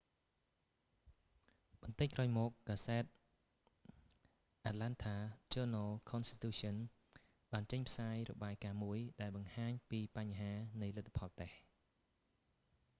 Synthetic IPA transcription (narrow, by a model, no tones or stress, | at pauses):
ɓɑnt̪ɨc̚kraːwjmɔːk̚ːaːsɛːt̪̚ | ʔat̪̚lant̪ʰaːt͡ɕoːnalkʰɔnst̪i̥t̪uːsɔn | ɓaːnt͡ɕəɲpʰsaːjrɔ̰ɓaːjkaːmuəjɗaɛlɓɑŋhaːɲpiːpaɲɦaːnɨjlɨt̪ʰːḁpʰɑlt̪eh